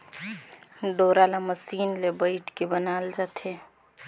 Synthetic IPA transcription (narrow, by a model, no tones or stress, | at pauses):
ɖoːɾaːlaməsiːnlebəɪʈkibənaːld͡ʒaːt̪ʰeː